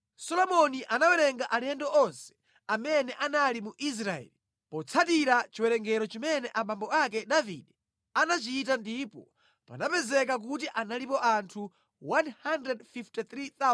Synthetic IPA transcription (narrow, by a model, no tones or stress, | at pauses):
sɔlɔmɔniʔanawɛɾɛŋɡaʔalɛndɔʔɔnsɛ̥ | amɛnɛʔanalimuʔis̬ɾaɛ̰li | pɔt͡sʰatiɾat͡ʃiwɛɾɛŋɡɛɾɔt͡ʃimɛnɛʔamambɔak̬ɛɗavḭɗɛ | anat͡ʃitandipɔ | pa̰napɛzɛk̬ak̬ut̬iʔanalipɔʔantʰu | wanhandɾɛdfiftit̪ɾiθa